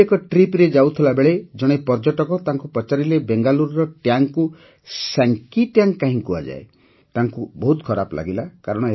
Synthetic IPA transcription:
ekɔʈɾipɾed͡ʒawt̪ʰilabeɭed͡ʒɔɽ̃epɔɾd͡ʒɔʈɔkɔt̪aŋkupɾɔt͡ʃaɾilebeŋɡaluɾɾɔʈjaŋku | saŋkiʈjaŋkaɦĩkua̰d͡ʒa̰e | t̪aŋkubɔɦut̪kʰɔɾapɔlʔa̰ɡilakaɾɔɽ̃ɔ

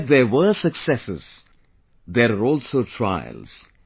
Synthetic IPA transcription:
dðɛʋəsəksɛsɪ̰z̥ | d̪eɾəɾɔːlsoːʈʰɾa̰ɪə̰lz̥

